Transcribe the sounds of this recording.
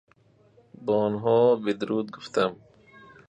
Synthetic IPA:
bɔnɦɔːbid̪ɾuːd̪̚ɡʊft̪am

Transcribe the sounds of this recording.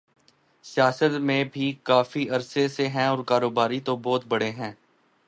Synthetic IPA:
sjaːsət̪mẽbʱikaːfiɐɾseseɦɛ̃ɔːɾkaːɾoːbaːɾit̪obɔːt̪bɐɽeɦɛ̃ː

